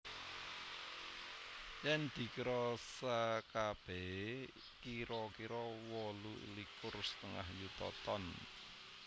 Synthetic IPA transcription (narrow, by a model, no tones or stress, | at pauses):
jɛnd̪̥i̤kiɾɔsakab̥ɛ | kiɾɔkiɾɔwɔluʔḭlikʊrst̪əŋa̰hjut̪ɔ̰t̪ɔn